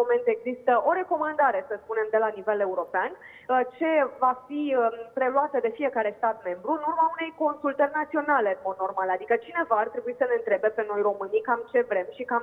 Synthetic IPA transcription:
omẽ̞nt̪e̞ɡzist̪əʔo̞ɾe̞ko̞mand̪aɾe̞səspune̞md̪e̞lanive̞le̞uɾo̞pean | ət͡ʃe̞vafiəpɾe̞luat̪əd̪e̞fie̞kaɾe̞st̪at̪me̞mbɾuɨnurmaune̞jko̞nsult̪ərʲnat̪sio̞nale̞ɨnmo̞d̪̚no̞rmalad̪ikət͡ʃine̞vaːrt̪ɾe̞buisəne̞ɨnt̪ɾe̞be̞pe̞no̞jro̞mɨnikamt͡ʃe̞vɾe̞mʃika

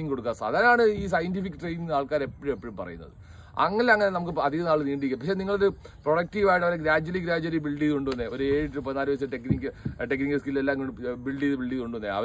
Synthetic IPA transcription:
iŋko̞ɽukːasa̰ːd̪aːɾɐmaːɳɨiːs̬ɐjɐntifikːɨʈrejniŋnaːɭkaːɾepːɐɻumepːoɻumpɐrɐ̰junːɐ̰ðɨ̰ | ɐ̰ŋːɐlɐŋːɐnenɐmukːɨɐd̪ʱiɣɐnaːɭniːɳɖikʲːɐmpɐkʂeniŋːɐɭoðɨproɽɐk̚ʈiːʋaːjʈːɐʋɐɾeɡɾaːd͡ʑwɐliɡɾaːd͡ʑɐlibiɭɖiːðuɳɖuonːeo̞ɾueːɻɨʈːupɐnaːɾʋɐs̬ɐʈekːnikːɨʈek̬ːniŋɡɨskillelːaːŋɡɖbiɭɖiðɨbiɭɖiːðuɳɖunːeɐ̰ʋɐ

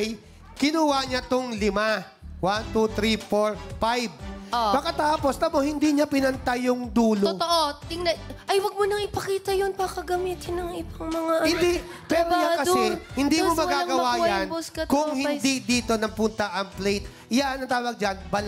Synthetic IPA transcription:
j | kɪnuwaɲat̪ʊŋlɪma | want̪ut̪ɾifoɹfajb̚obɐkɐt̪aːpo̞sɐbohɪnd̪iɲapɪnɐnt̪ajʊŋd̪uːloot̪oʔot̪ɪŋnɐʔɐjwɐɡ̚monɐŋɪpɐkiːt̪ɐjonpakɐɡɐmiːt̪ɪnɐŋɪbɐŋmɐŋaʔɐhɪnd̪i | pɛɾoɲakɐsɛhɪnd̪imomɐɡaɡɐwaːjɐnboskɐtkʊŋhɪnd̪id̪iːt̪o̞nɐŋpʊnt̪ɐʔɐŋplejt̪̚ | ɪjaʔɐnɐt̪aːwɐɡ̚d͡ʒɐnbɐl

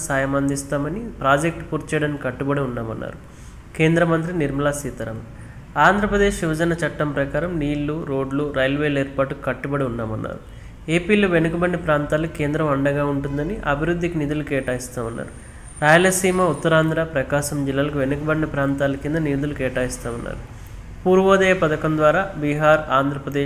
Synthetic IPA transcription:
saːjɐmɐnd̪ist̪aːmɐnipɾaːd͡ʒek̚ʈpuːɾt͡ʃɛːɽaːnkikɐʈːubɐɽiunːaːmɐnːa̰ːɾu | ke̞ːnd̪ɾɐmɐnt̪ɾiniɾmɐlaːsiːt̪ɐɾɐm | aːnd̪ʱɾɐpɾɐd̪e̞ːʃʋiʋɐd͡ʒɐnɐt͡ʃɐʈːɐmpɾɐkaːɾɐmniːlːuɾo̞ːɖluɾɐjlʋeːleːɾpaːʈukɐʈːubɐɽiunːaːmɐnːa̰ːɾu | eːpiːloːʋenukɐbɐɳːipɾaːnt̪aːlɐke̞ːnd̪ɾɐmɐɳɖɐɡaːuɳʈund̪ɐniʔɐbʱiɾud̪ʱːikinid̪ulukɛːʈaːjist̪aːmɐnːa̰ːɾu | ɾaːjɐlɐsiːmɐut̪ːɐɾaːnd̪ʱɾaːpɾɐkaːʃɐmd͡ʒilːaːlɐkuʋe̞nukɐbɐɳːipɾaːnt̪aːlɐkind̪ɐniːd̪ulukɛːʈaːjist̪aːmɐnːa̰ːɾu | puːɾʋɔːd̪ɐjɐpɐd̪ɐkɐmd̪ʋaːɾaːbiɦaːɾaːnd̪ʱɾɐpɾɐd̪eː

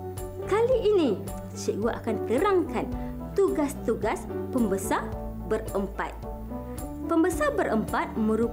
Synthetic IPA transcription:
kaliʔːnĩ | səuaʔakant̪əɾaŋkan | t̪uɡast̪uɡaspəmbəsa | bərəmpa̰t̪̚ | pəmbəsabəɾʔəmpat̪̚mə̃ɾu

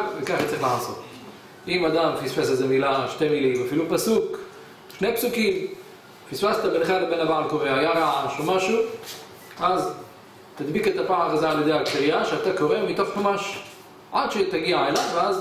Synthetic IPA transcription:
vekaχatt͡saʁiχlaħazo̰t | ʔimad̪amfisfesezemilaʃt̪emilimafilupasuk | ʃnejpsukim | fisfaset̪abenχalebenavaʕalkoʁehajaʁaaʃomaʃu | ʔaz | t̪ad̪biket̪apaʕaχazaaljed̪ejaaktiʁijaʃeat̪akoʁemmit̪ofħomaʃ | ʕa̰d̪ʃet̪aɡiaelavveaz

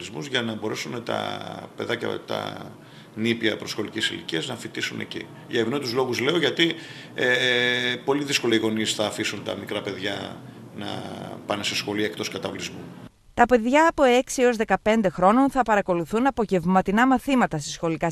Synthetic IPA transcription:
lizmuzʝɐnɐbo̞ɾe̞sunet̪ɐ̰pe̞ðɐcɐ̰t̪ɐ̰ | nipiɐpɾo̞sxo̞licesilḭciɐznɐfit̪isune̞̰cḭ | ʝɐevnoit̪uzlo̞ɣuzle̞o̞ʝɐt̪i | e | po̞liðisko̞leiɣo̞nisθɐːfisunt̪ɐ̰mikɾɐpe̞ðʝɐ | nɐ̰pɐnese̞sxo̞lie̞k̚t̪o̞skɐt̪ɐvlizmu | t̪ɐpe̞ðʝɐːpo̞e̞ksio̞zðekɐpe̞nd̪e̞xɾo̞no̞nθɐpɐɾɐko̞luθunɐpo̞ʝe̞vmɐt̪inɐmɐθimɐt̪ɐsesxo̞likɐ

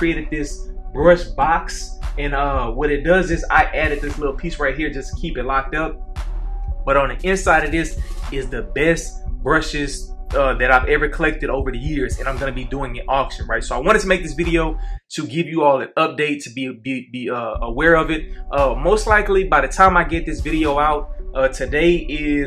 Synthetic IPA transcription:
kʰɹ̥ieɪɾɨd̪̚ðɪsbɹʌʃb̥ɑksɨ̃nʌwʌɾɨt̚d̥ʌzɨza̰ɪʔæɾɨt̪̚ðɪslɪɾl̩ˠpʰisɹaɪt̚ɦiɹd͡ʒʌskʰipɨtˡlak̚tʌp̚ | b̥ʌɾn̩ðiʔɪ̃nsaɪɾʌvðɪsɨzðɨbɛst̚b̥ɹʌʃɪzʌðɨɾaɪvɛvə˞kʰəlɛk̚tɨɾoʊvə˞ðɨjɪɹzɨ̃ñãɪ̃mɡʌnɨbiduɪ̃ŋɨ̃ʔɔkʃɨ̃nɹaɪtsoʊaɪwɑ̃ɾ̃nɨd̚tʰəmeɪk̚ðɪsvɪɾioʊɾɨɡɪvjɨɔlˠɨʌp̚d̥eɪtʰɨbibibiʌəwɛɹʌvɨt̚ʔʌmoʊstˡlaɪklibaɪðɨtʰãɪ̃maɪɡɛt̪̚ðɪsvɪɾioʊaʊt̚ʔʌtʰɨdeɪʔɪ

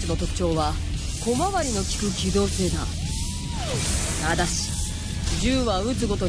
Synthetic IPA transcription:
t͡sɨno̞t̪o̞kɯ̟̥t͡ɕo̞ːβa | ko̞maβaɾʲino̞kʲi̥kɯ̟kʲid̪o̞ːse̞ːd̪a̰ | nad̪aɕi̥ | d͡ʑɨːβaɯ̟t͡sɨɡo̞t̪o̞

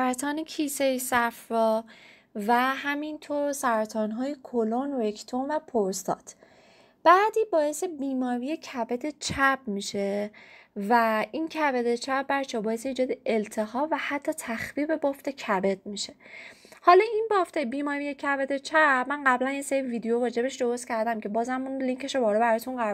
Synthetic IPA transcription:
ɾæt̪ʰɒːnecʰisesæfɾɒː | væɦæmint̪ʰoɾsæɾt̪ʰɒːnɦɒːjekʰolonɾekʰt̪ʰomvæpʰoɾst̪ɒ̰ːt̪ʰ | b̥æːd̪iːbɒːje̞sebiːmɒːɾijecʰæbed̪et͡ʃʰæb̥̚miːʃe̞ | væincʰæved̪et͡ʃʰæbbæɾt͡ʃʰɒbɒːjeseiːd͡ʒɒːd̪eelt̪ʰe̞hɒːvæhæt̪ʰːɒːt̪ʰæxviːbe̞bɒft̪e̞cʰæbed̪̚miʃe̞ | hɒːlɒinbɒːft̪ʰebiːmɒɾijecʰæbed̪et͡ʃʰæbmænɢæblænjeseɾiviːd̪ejovɒːd͡ʒe̞beʃd̪o̞ɾost̪cʰæɾd̪æmcʰe̞bɒːzæmunliŋcʰe̞ʃobɒːɾɔbæɾɒt̪ʰunɢæɾ

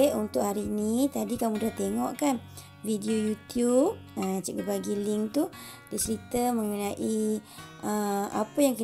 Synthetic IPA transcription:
ʔunt̪ʊʔɦaɾiːnit̪adikamũdaht̪eŋɔʔkan | vidiojut̪jup̚ət͡ʃaʔɡəbaɡiliŋt̪u | dit͡ʃəɾit̪əmə̃ŋunaʔiʔəa̰pəjaŋki

